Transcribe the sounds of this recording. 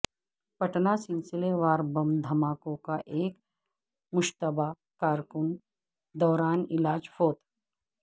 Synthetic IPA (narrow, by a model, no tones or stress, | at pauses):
pɐʈnasɪ̃nsɪleʋaːɾbɐmd̪ʱɐmaːkõkaʔeːk | mʊʃt̪əbʱa | kaːɾkʊn | d̪ɔːɾaːnɪlaːd͡ʒfʰoːt̪